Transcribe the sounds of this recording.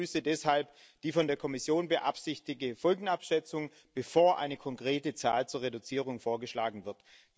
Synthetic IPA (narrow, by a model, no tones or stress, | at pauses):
yːsədɛshalp | d̥iːfɔndeːɐkʰɔmɪsjoːnbəʔa̰pz̥ɪçtɪɡəfɔlɡŋ̩apʃɛt͡sʊŋ | b̥əfoːɐʔa̰ɪnəkʰɔŋkʁ̥eːtət͡saːlt͡suːɐʁedut͡siːʁ̞ʊŋfoːɐɡəʃlaːɡŋ̩vɪɐt